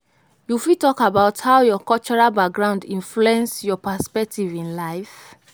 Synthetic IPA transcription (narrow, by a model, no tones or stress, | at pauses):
jufitɔkabaʊthaʊjɔkɔt͡ʃɔɹalbak̚ɡɹãʊ̃ndĩnɱfluɛ̃nsjɔpaspɛk̚tivĩnlaɪf